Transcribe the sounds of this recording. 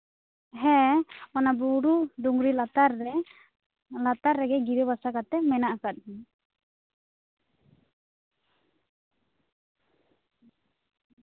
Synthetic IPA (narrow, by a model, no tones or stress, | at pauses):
ɦɛɔnabuɾuɖuŋɾilat̪aɾɛ | lat̪aɾːɛɡɛɡiɾebasakat̪ɛmɛnaʔakat̪̚ɦi